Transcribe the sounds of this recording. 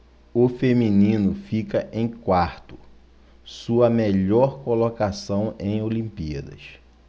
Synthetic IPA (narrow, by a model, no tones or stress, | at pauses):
ʊfemĩnĩnʊfikɐʔẽj̃kwaɾt̪ʊ̥ | suɐmeʎɔɾkolokasɐ̃w̃ẽj̃olĩmpiɐ̰d̪ɐ̰s